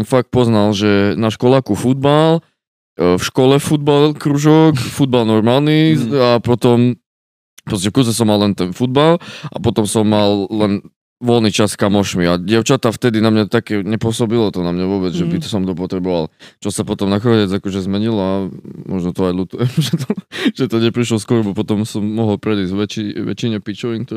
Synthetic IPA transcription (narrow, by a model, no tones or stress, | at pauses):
mfak̚t̪̚pɔznalʒɛnaʃkɔlaːkufud̪̚bal | fʃkɔlɛfud̪̚balkɾuʒɔkfud̪̚balnɔɾmalniapɔt̪ɔm | pɾɔscɛfkuzɛsɔmːallɛnt̪ɛnfud̪̚balʔa̰pɔt̪ɔmsɔmːalːɛn | ʋɔlnit͡ʃaskamɔʃmiaɟɪɛʊt͡ʃat̪aft̪ɛd̪inamɲat̪akɛːɲɛpʊɔsɔbilɔt̪ɔnamɲaʋʊɔːbɛd͡zʒɛbit̪ɔsɔmt̪ɔp̬ɔt̪ɾɛbɔʋa̰lt͡ʃɔsapɔt̪ɔmnaxɔɲɛd͡zakɔʒɛzmɛɲilɔamɔʒnɔt̪ɔajlut̪ujɛmʒɛt̪ɔʒ̥ɛt̪ɔɲɛpɾiʃlɔskʊɔɾɛbɔpɔt̪ɔmsɔmːɔɦɔlˠpɾɛd̪iːzʋɛt͡ʃiʋɛ̰t͡ʃiɲɛpit͡ʃɔʋiŋk̚t̪ɔ